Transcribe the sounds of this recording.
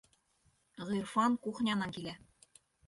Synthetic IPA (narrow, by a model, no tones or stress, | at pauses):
ʁirfɑnkuχnʲɑnɑkilæ